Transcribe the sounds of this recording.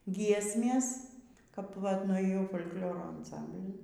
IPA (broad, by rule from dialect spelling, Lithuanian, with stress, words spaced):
ˈɡʲiɛsʲmʲeːs kɐp ʋɐt nʊeːˈjɛʊ foːlʲ kˈlʲoːroː ɐnˈsɐmʲbʲlʲɪn